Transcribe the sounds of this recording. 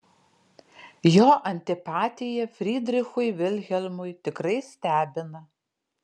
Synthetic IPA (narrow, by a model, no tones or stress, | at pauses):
joːʔɐnʲt̪ʲɪpɑːt̪ʲɪjɛfʲɾʲiːd̪ʲɾʲɪxʊjʋʲɪlʲɣʲɛlʲmʊjt̪ʲɪkɾɐɪsʲt̪ʲæːbʲɪnɐ